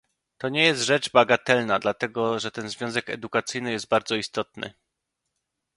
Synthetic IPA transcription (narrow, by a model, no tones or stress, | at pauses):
t̪ɔɲɛjɛst̪ʐɛd͡ʐbaɡat̪ɛlnad̪lat̪ɛɡɔʐɛt̪ɛnzvʲjɔ̃zɛkɛ̰d̪ukat̪sɘjnɘjɛst̪̚baɾd̪zɔist̪ɔt̪̚nɘ̰